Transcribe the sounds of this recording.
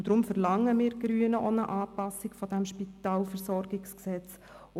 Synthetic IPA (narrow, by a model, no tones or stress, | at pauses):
d̥̪ɾʊmfəɾlɑŋːəmɪːɾɡ̥ɾyːənəʔɔnəʔɑːpɑsɪkfɔd̥æmʃpit̪ɑːlfɛɾsɔɾɡɪksksɛt͡s